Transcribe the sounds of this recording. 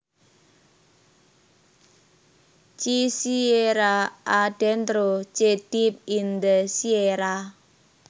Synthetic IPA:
t͡ʃisieɾaʔaɖ̥ɛnt̪ɾot͡ʃed̥ip̚ind̪əsieɾa

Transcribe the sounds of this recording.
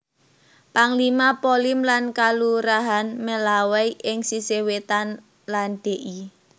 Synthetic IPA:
paŋlimapolɪmlankaluɾaɦanməlawɛjʔɪŋsisewet̪an | lanɖ̥e̤ʔi

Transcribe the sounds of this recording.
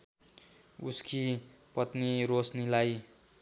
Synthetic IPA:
ṵski | pʌt̪niɾosnilaj

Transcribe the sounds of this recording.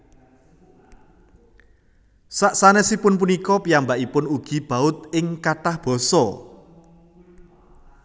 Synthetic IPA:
saʔsanesipʊnpunikɔpijambaʔipʊnuɡ̥i̤b̥a̤ʊt̪̚ɪŋkaʈahb̥ɔ̤sɔ

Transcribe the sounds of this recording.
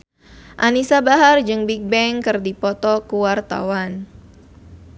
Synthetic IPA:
ʔanisabaɦard͡ʒɨŋbik̚bɛŋkɨrdipɔt̪ɔkuwart̪a̰wan

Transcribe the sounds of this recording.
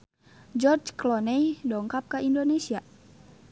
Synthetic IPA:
d͡ʒɔrd͡ʒklɔnɛjdɔŋkap̚kaʔindonɛsia

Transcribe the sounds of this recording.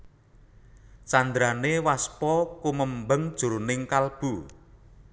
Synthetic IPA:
t͡ʃand̪ɾanewaspɔkuməmbəŋd̥ʒ̥ṳɾunɪŋkalb̥u

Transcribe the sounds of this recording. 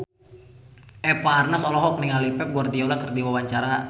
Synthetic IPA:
ɛpaːrnasɔlɔɦɔk̚niŋalipɛp̚ɡuardiaulakərdiwawaɲt͡ʃaɾa

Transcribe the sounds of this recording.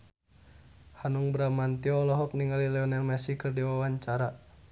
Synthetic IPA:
hanuŋbəɾamant̪iɔlɔɦɔk̚niŋalilɛɔnɛlmasikɨrdiwawaɲt͡ʃaɾa

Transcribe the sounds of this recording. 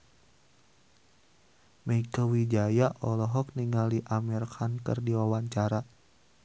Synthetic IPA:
məikəwid͡ʒajaʔɔlɔɦɔk̚niŋaliʔamɛrkʰankɨ̰rdiwawaɲt͡ʃaɾa

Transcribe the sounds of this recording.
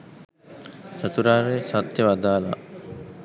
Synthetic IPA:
sat̪uɾaːɾesat̪jəʋad̪aːla̰

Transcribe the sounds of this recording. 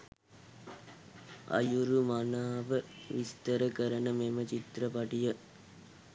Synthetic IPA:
ɐ̰juɾumanaːʋəʋist̪əɾəkəɾənəmemət͡ʃit̪ɾəpɐʈijə

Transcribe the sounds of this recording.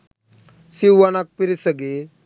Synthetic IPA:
siwːanak̚piɾisəɡe

